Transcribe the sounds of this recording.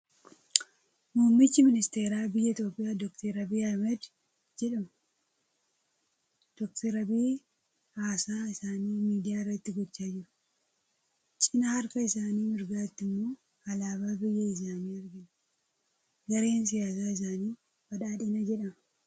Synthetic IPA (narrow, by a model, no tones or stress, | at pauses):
muːmːɪt͡ʃːɪmɪnɪst̪e̞ːɾaːbɪjːɐɪt̪jo̞ːpʼːɪjaːd̪ɔkt̪ʰeɾɐbiːɐmɛd̪ | d͡ʒɛᶑɐmɐ | d̪̥ɔkt̪ɛɾɐbiː | haːsaːɪsaːniːmiːd̪ɪjaːɪrːɐt̪ːɪɡɔt͡ʃːaːd͡ʒɪɾʊ̥ | t͡ʃʼɪnahɐɾkɐɪsaːniːmɪɾɡaːt̪ːɪmːo̞ː | ɐlaːbaːbɪjːɐɪs̬aːniːɐɾɡɪn | ɡɐɾe̞ːns̬ɪjaːs̬aːɪs̬aːniː | bɐᶑaːᶑiːnɐd͡ʒɛᶑɐmɐ